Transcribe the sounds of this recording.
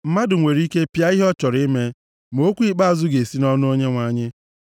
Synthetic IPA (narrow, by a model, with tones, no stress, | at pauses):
m̩˦ma˦dʊ˨ŋʷe˨ɾi˦ke˦pja˦i˦ɦɔ˦t͡ʃɔ˨ɾɪ˦me˦ | m˨o˦kʷi˦k͡pa˦a˨zʊ˦ɡe˨si˦nɔ˦nʊ˦o˦ɲe˦ŋʷa˨˦ɲɪ˦